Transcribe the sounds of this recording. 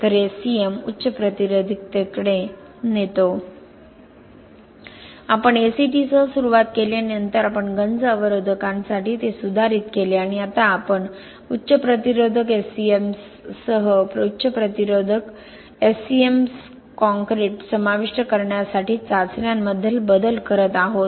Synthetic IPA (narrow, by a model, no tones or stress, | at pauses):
t̪əɾesiemutːɕəpɾət̪iɾod̪ʱik̚t̪ekɽe | net̪o | apəɳesiʈiːsəɦəsuɾuʋat̪kelenənt̪əɾapəɳɡənd͡zəʋəɾod̪ʱəkãnsaʈiːt̪esud̪ʱaɾiːt̪keleaɽ̃iat̪aːpəɳ | utːɕəpɾət̪iɾod̪ʱəkesiems | səɦəpɾutːɕəpɾət̪iɾod̪ʱək | esiems | kɔ̃ŋkɾeʈsəmaʋiʂʈəkəɾɳjasaʈiːt͡sat͡sɾjamːəd̪ʱjelbəd̪əlkəɾət̪aɦot̪̚